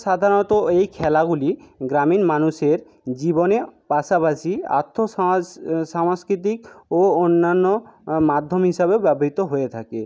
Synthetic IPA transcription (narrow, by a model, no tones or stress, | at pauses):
ʃad̪ʱaɾɔnɔt̪oejkʰɛlaɡuliɡɾaminmanuʃeɾ | d͡ʑibonepasapasia̰t̪ʰːo | samskɾit̪̬ikoonːanːomad̪ʱːomɦiʃabebɛboɦit̪oɦojet̪ʰake